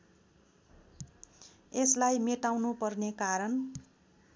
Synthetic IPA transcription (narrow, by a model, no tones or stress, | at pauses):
eslajmeʈawnupʌrnekaɾʌn